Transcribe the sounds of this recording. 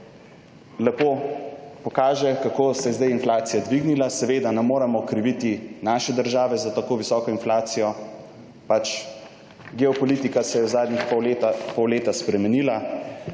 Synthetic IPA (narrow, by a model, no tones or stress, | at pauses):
lɛpopɔkaːʒɛkakosɛzd̪ajinflaːt̪sijad̪ʋiɡnilasɛʋeːd̪anɛmoːɾamɔkɾiʋit̪inaːʃɛd̪əɾʒaːʋɛzat̪akoːʋisɔːkɔinflaːt̪sijɔ | pat͡ʃ | ɡɛɔpɔlit̪ikasɛjɛwzaːd̪nixɔpɔwleːt̪aspɾɛmɛnila